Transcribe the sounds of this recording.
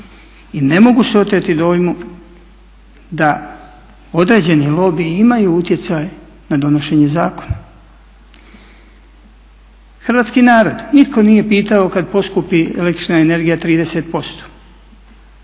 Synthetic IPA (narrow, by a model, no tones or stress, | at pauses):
ine̞mo̞ɡuseo̞t̪ɾet̪id̪o̞ːjmu | d̪a | o̞d̪ɾe̞ːd͡ʑe̞nilo̞biimajuut̪jet̪saj | nad̪o̞no̞ʃe̞ːɲe̞zaːko̞na | xɾ̩ʋaːt̪skinaːɾo̞d̪nit̪ko̞nije̞piːt̪ao̞kad̪̚po̞skupiḛlekt̪ɾi̥t͡ʃnaene̞ɾɡijat̪ɾiːd̪e̞set̪̚po̞st̪o̥